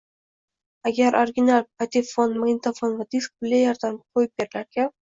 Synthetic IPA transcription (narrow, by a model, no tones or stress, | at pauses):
aɡʲaɾʔoɾɡʲɪnalˠpat̪ʲifonmaɪt̪afonvad̪isk̚bɪlʲajɒɾd̪amqʰojɪp̚bʲeɾɪlaɾɡʲa